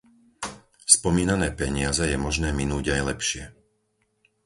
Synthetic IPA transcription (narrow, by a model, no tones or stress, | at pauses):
spɔmiːnanɛːpɛɲɪazɛjɛmɔʒnɛːminuːɟajlɛpʃɪɛ